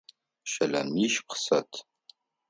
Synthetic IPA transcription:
ʃɐlɐ̰niʃp̚qsɐtʰ

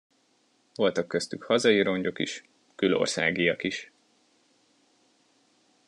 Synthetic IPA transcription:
vo̞lt̪ɒkːøst̪ykhɒzɒjiɾo̞ɲɟo̞kḭʃ | kylo̞̰rsa̰ːɡijɒkiʃ

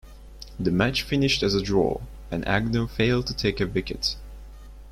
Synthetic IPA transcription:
ðɨmæt͡ʃfɪ̃nɪʃtɨzədɹɔ̰ | ɨ̃nʔæ̰ɡ̚noʊfeɪlˠd̚tʰətʰeɪkɨvɪkɨt

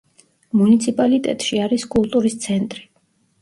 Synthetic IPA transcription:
munit̪sʰipʼalit̪ʼɛ̰t̪ʼʃiaɾiskʼulˠt̪ʼuɾist̪sʰɛnt̪ʼɾi̥

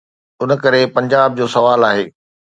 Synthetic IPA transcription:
ʊnə̆kɐɾepɐ̃ɲd͡ʑaːb̚d͡ʑoːsɐʋaːlaːɦeː

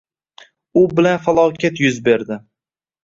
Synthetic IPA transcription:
ʊbɪlanfalˠɒwkʲat̪jʊzbe̞ɾd̪ɪ

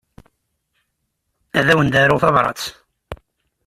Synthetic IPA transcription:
æðæwənd̪æɾʊθɑvɾˤɑ̰t͡s

